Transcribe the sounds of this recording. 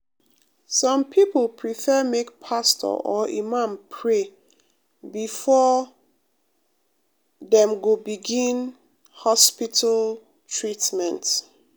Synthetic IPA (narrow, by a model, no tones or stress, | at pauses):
sɔ̃mpʰiplˠpʰɹifɛmek̚pʰastʰɔ̰ʔɔḭmãmpʰɹe | bifɔ | ðɛ̃mɡobiɡĩn | hɔspitʰal | tʰɹitmɛ̃nt